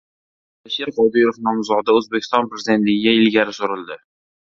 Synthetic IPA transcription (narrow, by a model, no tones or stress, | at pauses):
aʃiɾqɒd̪iɾofnɒmzɒd̪aɵzbekʰʲɪ̥st̪ɒnpɾezid̪e̞nt̪lɪɡʲɪɡʲaɪlɡʲaɾɪsoɾɪld̪ɪ